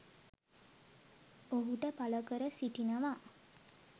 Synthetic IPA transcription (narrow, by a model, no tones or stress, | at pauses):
oɦuʈəpaləkəɾəsiʈinəʋa